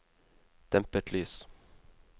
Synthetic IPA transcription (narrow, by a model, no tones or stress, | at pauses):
d̪̥ɛmpəʈʰlyːs